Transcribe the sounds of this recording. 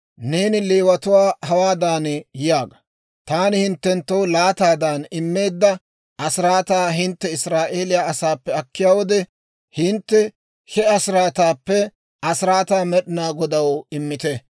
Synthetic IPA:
ne̞ːnɪleːwɐt̪ʊwaːhɐwaːd̪aːnjɪjaːɡɐ | t̪aːnɪhɪnt̪ːɛnt̪ːɐwlaːt̪aːd̪aːnɪmːe̞ːd̪ːɐ | ʔɐsɪɾaːt̪aːɦɪnt̪ːɛɪsɾaːʔeːlɪjaːɐsaːpːɛɐkːɪjaːwɔd̪ɛ | hɪnt̪ːɛ | hɛɐsɪɾaːt̪aːpːɛ | ɐsɪɾaːt̪aːmɛɗɪnaːɡɔd̪ɐwɪmːɪt̪ɛ

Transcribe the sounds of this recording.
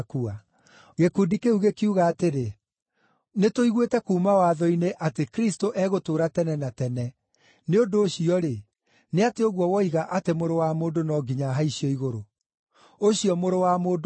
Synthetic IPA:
kua | ɣekudikeuɣekiuɣaːteɾe | netoiɣwetɛkuːmawaðɔineʔatekɾistoʔɛɣotoːɾatɛnɛnatɛnɛ | neondoːɕiɔɾe | neateoɣwɔwɔiɣaʔatemoɾowamoːndonɔːɡiɲaɦaiɕiɔiɣoɾo | oɕiɔmoɾowamoːd

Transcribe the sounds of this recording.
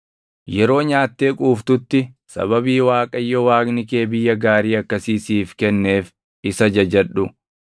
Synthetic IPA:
jɛɾo̞ːɲaːt̪ːe̞ːkʼuːft̪ʊt̪ːɪsɐ̰bɐbiːwaːkʼɐjːɔwaːɡnɪke̞ːbɪjːɐɡaːɾiːɐkːɐsiːsiːfkɛnːe̞ːf | ɪsɐd͡ʒɐd͡ʒɛᶑʊ

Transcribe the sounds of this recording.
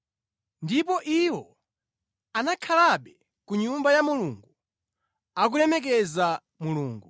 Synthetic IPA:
ndipɔʔiwɔ | anakʰalaɓɛ | kuɲumbajamuluŋɡu | ak̬ulɛmɛk̬ɛza | muluːŋɡu

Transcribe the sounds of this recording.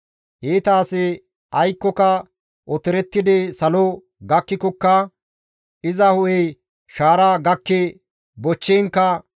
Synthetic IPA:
heːt̪aːsɪ | ʔɐjkːɔkɐ | ʔɔt̪ɪɾɛt̪ːɪd̪ɪsɐlɔ | ɡɐkːɪkɔkːɐ | ʔɪzɐhʊʔɛj | ʃaːɾaːɡɐkːe | bɔt͡ʃːɛːŋkːɐ

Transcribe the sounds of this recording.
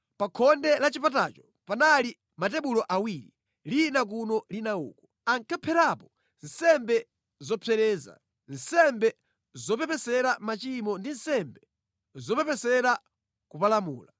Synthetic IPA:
pakʰɔndɛlat͡ʃipatat͡ʃɔ̥ | panali | matɛɓulɔʔawiːɾḭ | linak̬unɔlinaṵːkɔ | aŋkʰapʰɛɾapɔ | n̩sɛmbɛ | zɔpʰɛɾɛːza̰ | n̩sɛmbɛ | zɔpɛpɛsɛɾamat͡ʃimɔndin̩sɛmbɛ | zɔpɛpɛsɛɾa | kupalamuːla

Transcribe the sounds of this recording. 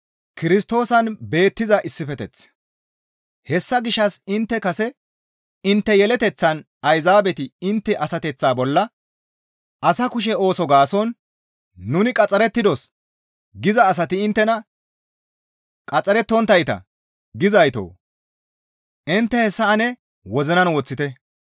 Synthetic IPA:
kɪɾɪst̪o̞ːsɐnbe̞ːt̪ːɪzɐʔɪsːɪfɛt̪ɛt͡s | hɛsːɐɡɪʃːɐsɪnt̪ːɛkɐsɛ | ɪnt̪ːɛjɛlɛt̪ɛt͡sːɐn | ɐjzaːbɛt̪ɪɪnt̪ːɛʔɐsɐt̪ɛt͡sːaːbɔlːɐ | ʔɐsɐkʊʃ̬ɛo̞ːsɔɡaːsɔnː | ʊnɪkʼɐt͡sʼːɐɾɛt̪ːɪd̪ɔs | ɡɪzɐːs̬ɐt̪ɪɪnt̪ːɛnɐ | kʼɐt͡sʼːɐɾɛt̪ːɔnt̪ːɐjt̪ɐ̰ | ɡɪzɐjt̪o̰ː | ʔɪnt̪ːɛhɛsːɐːnɛ | wɔzɪnɐnwɔt͡sːɪt̪ɛ

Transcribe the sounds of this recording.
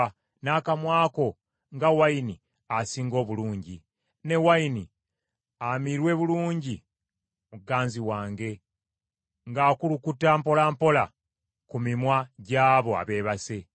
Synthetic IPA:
naːkamwaːko̞ | ŋɡawaini | asiːŋɡo̞ːβuluːɲɟi | ne̞waini | amiɾwe̞βuluːɲɟi | uɡaːnziwaːŋɡe̞ | ŋɡaːkulukutːampo̞laːmpo̞la | kumimwaɟaːβo̞a̰βe̞ːβase̞

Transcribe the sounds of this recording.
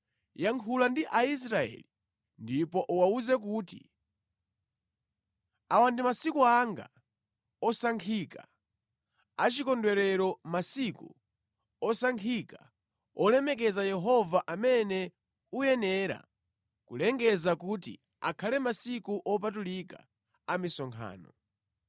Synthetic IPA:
jaŋkʰulandiʔais̬ɾaɛ̰li | ndipɔʔuwauzɛk̬uːtḭ | awandimasikuaŋɡa̰ | ɔsaŋkʰika | at͡ʃikɔndwɛɾɛɾɔmasikṵ | ɔsaŋkʰika | ɔlɛmɛk̬ɛzajɛɦɔvaʔamɛnɛ | ujɛnɛɾa̰ | kulɛŋɡɛzakutḭ | a̰kʰalɛmasikuʔɔp̬at̬ulika̰ | amisɔŋkʰa̰ːnɔ

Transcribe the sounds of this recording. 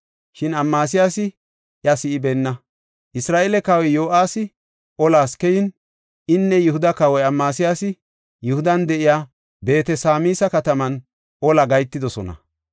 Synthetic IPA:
ʃɪnɐmːaːs̬ɪjaːsɪ | ʔjɐsɪʔɪbɛnːɐ | ʔɪsɾaːʔɛlɛkaːwɔjjo̞ːʔaːsɪ | ʔɔlaːskɛjɪn | ʔɪnːɛjʊhʊd̪ɐkaːwɔjɐmːaːsɪjaːsɪ | jʊhʊd̪ɐnd̪ɛʔɪjaː | be̞ːt̪ɛsaːmiːsɐkɐt̪ɐmɐn | ʔɔlɐɡɐjt̪ːɪd̪ɔsɔnɐ̰

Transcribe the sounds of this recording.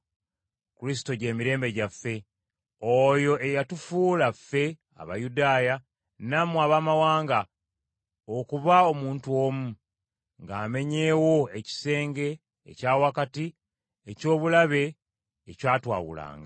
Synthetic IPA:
kulis̬i̥to̞ɟe̞ːmiɾe̞ːmbe̞ɟafːe̞ | ojo̞ʔe̞jatufuːlafːe̞ | a̰βa̰judaːja | namuaβamawaːŋɡa | okuβao̞muːntuo̞ːmu | ŋɡaːme̞ɲe̞ːwo̞e̞ci̥se̞ːŋɡe̞̰ː | caːwakati | eco̞ːβulaβe̞ː | caːtwa̰ːwṵla̰ːŋɡa

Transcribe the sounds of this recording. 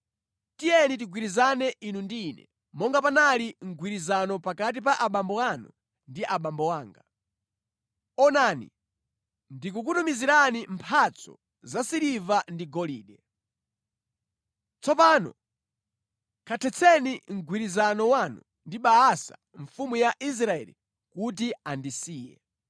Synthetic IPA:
tijɛnit̬iɡwiɾizanɛʔinundːnɛ̰ | mɔŋɡapanaliŋ̩ɡwiɾizanɔpakat̬ip̬aʔaɓambɔwanṵ | ndiʔaɓambɔwaːŋɡa | ɔnanḭ | ndik̬uk̬utumiziɾanimpʰat͡sʰɔ̰ | zasiɾivandiɡɔliːɗɛ | t͡sɔpanɔ̰ | kʰatʰɛt͡sʰɛniŋ̩ɡʱwiɾizanɔwanṵ | ndiɓaasa̰ | ɱfumujaʔis̬ɾaɛ̰lḭ | kut̬iandisiːjɛ̰

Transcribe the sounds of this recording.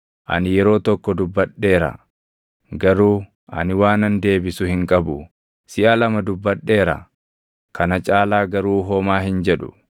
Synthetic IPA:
ʔɐ̰nɪjɛɾo̞ːt̪ɔkːɔd̪ʊbːɐɗːe̞ːɾɐ̰ | ɡɐɾuː | ɐ̰nɪwaːnɐnd̪e̞ːbɪsʊhɪŋkʼɐbʊ | sɪʔɐlɐmɐd̪ʊbːɐɗːe̞ːɾɐ̰ | kʰɐnɐt͡ʃʼaːlaːɡɐɾuːɦɔːmaːɦɪnd͡ʒɛᶑʊ

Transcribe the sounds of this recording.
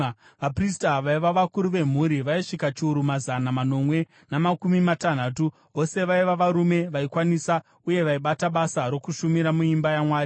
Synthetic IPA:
ʋapristaʋaiʋaʋakuɾuʋe̞m̤uɾiʋaiʂikat͡ʃiuɾumazanamano̞mwe̞ | namakumimatan̤aːtu | o̞se̞ʋaiʋaʋaɾume̞ʋaikwanisa | uje̞ʋaiɓataɓasaɾo̞kuʃumiɾamuimbajamwaːri

